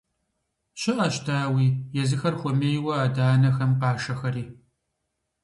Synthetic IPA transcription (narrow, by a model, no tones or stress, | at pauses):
ɕɪʔaːʃtʰaːwiːjɛzɨxɐrxʷɔmeːjwɐaːdaːnɐxɐmqɑːʂɐxɐɾiː